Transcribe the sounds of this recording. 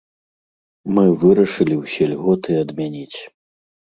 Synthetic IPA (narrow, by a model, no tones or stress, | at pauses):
mɨvɨɾɐʂɨlʲiwsʲɛlʲɣɔt̪ɨɐd̪mʲanʲit͡sʲ